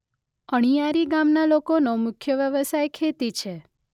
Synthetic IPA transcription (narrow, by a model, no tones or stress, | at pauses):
əɽ̃ijaɾiɡamnalokonomʊkʰjəʋjəʋəsajkʰet̪it͡ʃʰe